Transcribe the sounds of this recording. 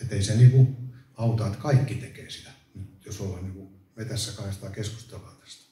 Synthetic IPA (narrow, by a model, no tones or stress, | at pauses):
et̪ːeiseniːkuɑut̪ɑːt̪kɑikːit̪ekeːsit̪æ̥ | nyt̪josolhɑniːŋku | met̪æsːækɑhest̪ɑːkesku̥st̪elɑːt̪ɑ̥st̪ɑ̥